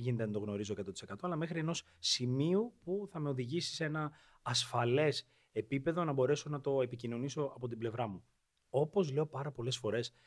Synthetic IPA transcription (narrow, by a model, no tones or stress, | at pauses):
ʝinet̪eɐnd̪o̞ɣno̞ɾizo̞ekɐt̪o̞t̪i̥se̞kɐt̪o̞ɐlɐme̞xɾie̞no̞s | simiupuθɐme̞o̞ðiʝisi̥see̞nɐː | sfɐle̞s | e̞pipe̞ðo̞nɐbo̞ɾe̞so̞nɐt̪o̞epicino̞niso̞ʔɐpo̞t̪̬ible̞vɾɐmu | o̞po̞zle̞opɐɾɐpo̞le̞sfo̞ɾe̞s